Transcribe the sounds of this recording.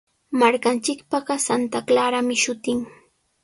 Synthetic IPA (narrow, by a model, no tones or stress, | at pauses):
maɾkant͡ʃɪkpɑɢɑsant̪aklaɾamɪʃʊt̪ɪŋ